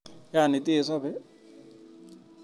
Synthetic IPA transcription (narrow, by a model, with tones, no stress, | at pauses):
ja˦˨ni˨tʼe˦˨sa˦bɛ˦